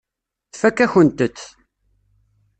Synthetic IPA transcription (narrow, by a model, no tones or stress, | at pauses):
θfækːæçənt̪ət͡sː